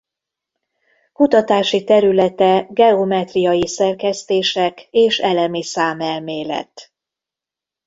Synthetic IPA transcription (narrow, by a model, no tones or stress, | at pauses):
kut̪ɒt̪aːʃit̪ɛɾylɛt̪ɛɡɛomɛt̪rijɒjisɛrkɛst̪eːʃɛkeːʃɛlɛmisaːmɛlmeːlɛ̰t̪